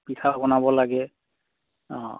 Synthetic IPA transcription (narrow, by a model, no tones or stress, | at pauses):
pitʰabɔnabɔlaɡɛ